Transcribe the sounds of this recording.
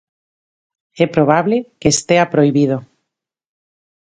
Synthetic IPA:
epɾoβ̞aβlekest̪eapɾojβið̞o

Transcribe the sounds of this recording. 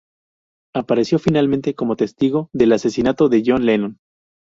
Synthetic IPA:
apaɾe̞sjo̞finalmẽnt̪e̞ko̞mo̞t̪e̞st̪iɣo̞ðe̞lase̞sinat̪o̞ðeʝo̞nlenõn

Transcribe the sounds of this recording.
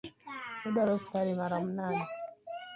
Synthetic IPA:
midɔɾɔskaɾimaɾɔm̩nani

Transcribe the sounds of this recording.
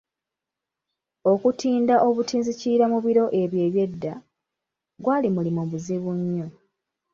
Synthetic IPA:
o̞kutʰiːndaʔo̞βutiːnziciːɾamuβiɾo̞ʔe̞βje̞ːβje̞dːa | ɡwaːlimulimoβuziβuɲːo

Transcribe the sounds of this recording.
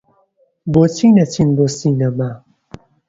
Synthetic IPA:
bot͡ʃʰinat͡ɕʰinbosinəma

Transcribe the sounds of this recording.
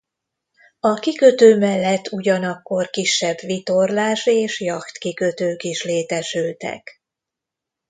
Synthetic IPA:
ɒkikøt̪øːmɛlːɛt̪ːuɟɒnɒkːo̞rkiʃːɛbʋit̪o̞rlaːʃeːʃjɒkt̪kikøt̪øːkiʃleːt̪ɛʃylt̪ɛ̰k

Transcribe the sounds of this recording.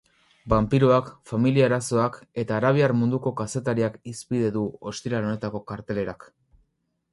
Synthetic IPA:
bampiɾuakfamiliaeɾaso̞ake̞t̪aːɾaβ̞iaɾmund̪uko̞kase̞t̪aɾiakispiðe̞ðuo̞st̪iɾalo̞ne̞t̪ako̞kaɾt̪e̞le̞ɾak

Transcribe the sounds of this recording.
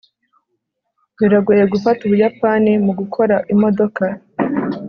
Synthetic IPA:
wiɾaɡuje̞ɡufatuβujapaːnimuɡukʰo̞ɾaʔimo̞do̞ka

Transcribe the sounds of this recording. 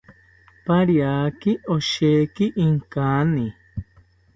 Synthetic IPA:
paɾjaːkiʔoʃekiʔiŋkaːni

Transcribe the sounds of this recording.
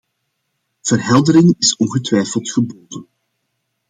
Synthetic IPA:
v̥ərɦɛlˠdəɾɪŋɪsɔnɣətʋɛjfəlˠtxəboːdən

